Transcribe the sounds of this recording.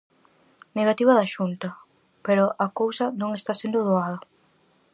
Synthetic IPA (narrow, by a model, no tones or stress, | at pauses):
neɣat̪iβɐðaʃunt̪ɐ | peɾʊʔɐkowsɐnõŋest̪asend̪oðoaðɐ